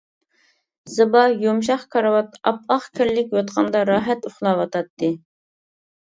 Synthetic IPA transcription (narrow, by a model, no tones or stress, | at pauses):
z̥ɨbɑjomʃ̬ɑχkʰɑɾwɑt̪ɑ̰pɑχkʲʰɪɾlɪkʲjot̪qʰɑnd̪ɑɾɑːɦɛt̪ʊχlˠɑwɑt̪ʰɑt̪ʰːɨ